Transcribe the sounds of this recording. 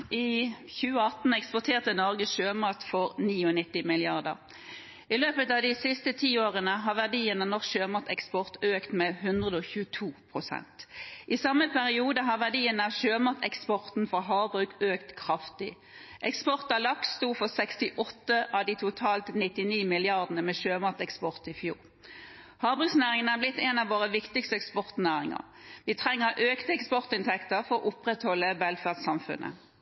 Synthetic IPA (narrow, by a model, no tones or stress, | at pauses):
ʔiːçʉːəɑt̪n̩ɛkspʊt̪ʰeːʁt̪ənɔʁɡəsʃøːmɑt̪fɔʁniːɔnɪt̪ːɪmɪlɪɑʁd̪ə̰ʁ | ɪløːpət̪ɑːʋd̪ɪsɪst̪ət̪ʰiːoːʁənəɦɑːʁʋæd̪iːənənɔʁʃøːmɑt̪ɛkspɔʁt̪øːkt̪mɛhɦʉnd̪ʁəd̪əɔçʉːət̪ʰuːpʰʁʊsɛ̰nt̪ʔɪsɑmːəpʰæʁɪuːd̪əɦɑʋæd̪iːənəɑʃøːmɑt̪ʰɛkspɔʁt̪n̩fɔɦɑːbʁʉːkøːkt̪kʰʁɑft̪ɪ | ʔɛkspɔʁt̪ɑlɑksst̪uːfɔʁsɛkst̪ɪʔɔt̪ːəʔɑʋd̪iːt̪ʰʊt̪ʰɑːlt̪nɪt̪ɪniːmɪlɪɑʁd̪ənəmɛːʃøːmɑt̪ɛkspɔʁt̪ɪfjṵːʁ | hɑːbʁʉːksnæːʁɪŋənæːblɪt̪ːɛnɑʋʋoːʁəʋɪkt̪ɪkst̪əɛkspɔʁt̪næːʁɪŋə̰ʁ | ʋɪt̪ʰʁɛŋːəʁʔøːkt̪əɛkspɔʁt̪ɪnt̪ʰɛkt̪əɾfɔʁɔʔʊpʁɛt̪hɔlːəʋɛlfæʁdsɑmfʉ̰nʔə̰